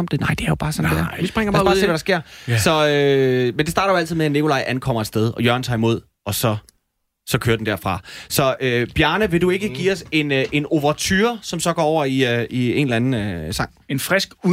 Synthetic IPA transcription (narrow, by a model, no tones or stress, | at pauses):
md̥enɑ̈ɪ̰d̥e̝æɐjob̥ɑ̈ːsɒ̽nndeɐʋisb̥ʁɛŋ̰ɐbːɑ̈ːsḛʋæɾɑ̈sɡ̥e̝ɐ̰sɒ̽ømend̥esɑ̈ːɾɐjoæl̰t͡sið̩ˠmeæne̝kʰolɑ̈ɪʔænkʰɒ̽m̰ɐed̥sd̥eð̞ˠɒ̽jœɐn̩t͡sʰɑ̈ːimo̝ð̞̰ˠ | ɒ̽sɒ̽ | sɒ̽kʰøːɐd̥en̩d̥æɐ̰fʁɑ̈sɒ̽øb̥jæɐnəʋe̝due̝ɡ̥əɡ̥ḭːɒ̽se̝nʔe̝no̝ʋɐt͡sʰyːɐsɒ̽msɒ̽ɡ̥ɒ̰ːɒʊ̰ɐiøie̝̰ːnelænn̩øsɑ̈ŋ̰enfʁɛsɡ̥u